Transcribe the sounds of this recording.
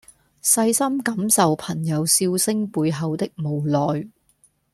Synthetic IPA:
sɐ˧jsɐ˥mkɐ˨˧msɐ˨wpʰɐ˨˩ŋjɐ˨˧wsiː˧wsɪ˥ŋpuː˨˧jɦɐ˨wt̪ɪ˥k̚mo˨˩wlɔː˨j

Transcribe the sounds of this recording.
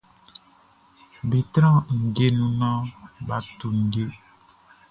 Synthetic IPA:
bi˨t̪ɾɔ̃˦ŋ̩˨ɡe˦nũ˦nɔ̃˦ba˨tu˨ŋ̩˨ɡe˦

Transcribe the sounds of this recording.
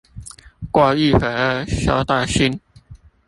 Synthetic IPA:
kwa˥˧i˥˩fə˨˩ə˧˩ɕjɑ˥ʊt̪a˥˧ɕi˥n

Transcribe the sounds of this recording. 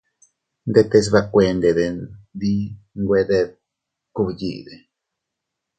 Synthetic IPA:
nd̪et̪e˦s̬βa˧kʷe˨nd̪e˨d̪e˨nd̪i˦ŋɡwe˦d̪e˦ð̚ | ku˧βjḭ˨d̪e˨

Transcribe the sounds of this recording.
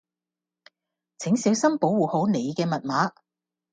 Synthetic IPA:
t͡sʰɪ˨˥ŋsiː˨˥wsɐ˥mpo˨˥wwuː˨˩ho˨˥wne˨˧jkɛː˧mɐ˨t̚maː˨˥

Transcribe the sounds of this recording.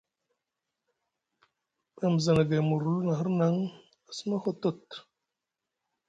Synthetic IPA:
bə˨m˨zə˨na˨ɡe˨mu˨ɾu˨˦lna˨ɦə˦ɾna˦ŋ | a˨sə˦ma˦xo˦to˦˨t

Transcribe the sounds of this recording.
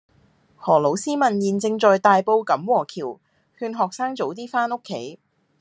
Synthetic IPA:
hɔː˨˩lo˨˥wsiː˥mɐ˨˩njiː˨nt͡sɪ˧ŋt͡ʃɔː˨jt̪aː˨jpo˧wkɐ˨˥mwɔː˨˩kʰiː˨˩w | hyː˧nɦɔː˨k̚saː˥ŋt͡so˨˥wt̪iː˥faː˥no˥kʰːe˨˥j

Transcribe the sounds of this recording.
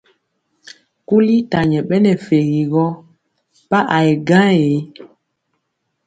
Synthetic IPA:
ku˦li˦ta˨ɲɛ˨ɓɛ˦nɛ˨fe˨ɣi˨ɣɔ˦ | pa˦ʔa˨e˨ɡã˦e˨˦

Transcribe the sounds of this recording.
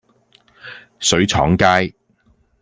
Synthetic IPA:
sɵ˨˥ɥt͡ʃʰɔ̰ː˨˥ŋkaː˥j

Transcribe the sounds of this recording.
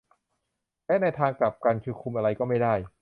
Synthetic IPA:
lɛː˦˥na˧jt̪ʰaː˧ŋkla˨˩p̚ka˧nkʰɯː˧kʰu˧mʔa˧ɾa˧jkɔː˥˩ma˥˩jda˥˩j

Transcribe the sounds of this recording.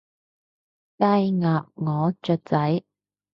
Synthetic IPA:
kaː˥jŋaː˨p̚ŋɔː˨˧t͡ʃœː˧t̚t͡sɐ˨˥j

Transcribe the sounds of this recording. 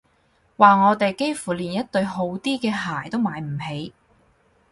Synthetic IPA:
waː˨ŋɔː˨˧t̪e˨jke˥jfuː˨˩liː˨˩njɐ˥t̚t̪ɵ˧ɥɦo˨˧˥wt̪iː˥kɛː˧ɦaː˨˩jt̪o˥wmaː˨˩jm̩˨˩ɦe˨˧j

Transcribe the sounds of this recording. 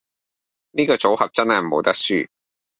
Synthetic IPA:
niː˥kɔː˧t͡so˨˥whɐ˨p̚t͡sɐ˥nhɐ˨j̩˨mo˨˥wt̪ɐ˥k̚syː˥

